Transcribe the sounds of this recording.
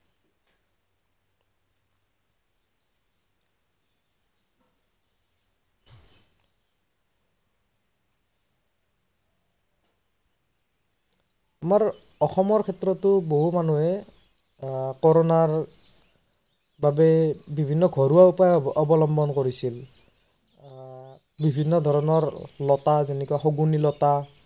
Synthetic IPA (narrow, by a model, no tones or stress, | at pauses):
amaɹ | ɔxɔmɔɹkʰɛtɹɔtʊboɦumanuɛ | kɔɹɔnaɹ | babɛbibʱinːɔɡʱɔɹuaupajɔɔbɔlɔmbɔnkoɹisil | bibʱinːɔd̪ʱɔɹɔnɔɹlɔtazenɛkuaxoɡunilɔta